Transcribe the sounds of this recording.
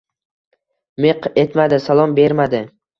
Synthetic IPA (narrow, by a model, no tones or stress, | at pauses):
me̞qe̞t̪mad̪ɪsalˠɒmbe̞ɾmad̪ɪ